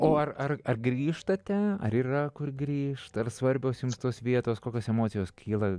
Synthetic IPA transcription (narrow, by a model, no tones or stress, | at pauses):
oːɐrɐrɐrɡɾʲiːʃt̪ɐt̪ʲɛɐ̰ɾiːrɐkʊrɡɾʲiːʃt̪ɐrsʋɐrʲbʲoːsjʊmst̪oːsʋʲiɛt̪oːskoːkʲoːsɛmoːtt͡sʲɪjoːskʲʰiːlˠɐ